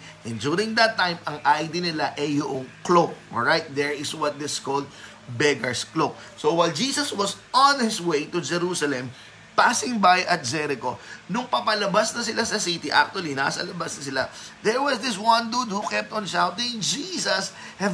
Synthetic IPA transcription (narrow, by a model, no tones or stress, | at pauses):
ʔɛ̃nd͡ʒuɾɪ̃ŋd̪ɐt̪ːãjmɐŋʔajd̪inɪlaʔɛjʊʔoŋklok̚ʔɔɹajt̪̚d̪ɛɹɪswɐt̪̚d̪ɪskold̪̚ | bɛɡɐɹsklok̚ | sowajld͡ʒiːsɐswɔsɔnhɪswejt̪ʊd͡ʒɛɾusɐlɛ̃m | pasɪ̃ŋbajɐt̪̚d͡ʒɛɾɪko̞nʊŋpɐpɐlɐbasnɐsɪlasɐsit̪iʔa̰k̚t̪ʊɐlina̰sɐ̰lɐbasnɐsɪla̰ðɛɹwɔsd̪ɪswɐ̃nd̪ud̪̚hukɛp̚t̪ɔ̃nʃawt̪ɪ̃ŋd͡ʒiːsɐs | hɛ